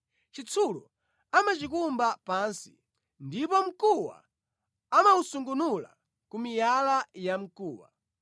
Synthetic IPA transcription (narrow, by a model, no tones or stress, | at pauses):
t͡ʃit͡sʰulu | amat͡ʃikumbapansi̥ | ndipɔm̩kuwa̰ | amausuŋɡunula̰ | kumijalajam̩kuːwa̰